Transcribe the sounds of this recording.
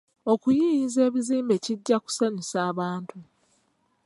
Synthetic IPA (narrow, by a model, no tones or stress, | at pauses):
o̞kujiːize̞ːβiziːmbe̞ciɟːaku̥saɲisaːβaːntu